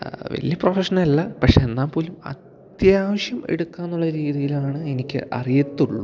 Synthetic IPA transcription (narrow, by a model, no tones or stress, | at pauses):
ʋɐ̰ɭjɐprofeʂɐnɐlɐlːɐpɐkʂeːnːaːmpo̞ːlumɐ̰t̪jaːʋɐɕjɐmḛɽukːaːnːuɭːɐɾiːðijilaːɳɨenikʲːɨ̰ʔɐ̰rijɐt̪ːuɭːu